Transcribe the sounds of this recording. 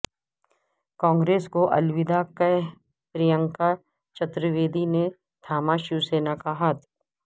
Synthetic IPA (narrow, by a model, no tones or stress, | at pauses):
kɔ̃ːŋɡɾeːskoʔɐ̰lʋɪd̪akə | pɾijə̃ŋka | t͡ʃɐt̪ɾəʋeːd̪ine | t̪ʰaːmaʃuseːnakaɦat̪ʰ